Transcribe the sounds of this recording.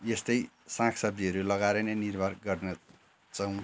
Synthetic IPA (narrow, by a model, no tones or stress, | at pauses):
jest̪ʌj | sãkʰsʌb̚d̪iɦʌɾulʌɡaɾenʌnirbʱʌrɡʌrnʌ | t͡sʌw̃